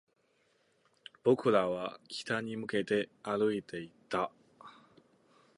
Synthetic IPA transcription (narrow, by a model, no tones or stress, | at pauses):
b̥o̞kɯ̟ɾaβ̞akʲʰi̥t̪aɲ̟imɯ̟ke̞t̪e̞aɾɯ̟it̪e̞it̪ːa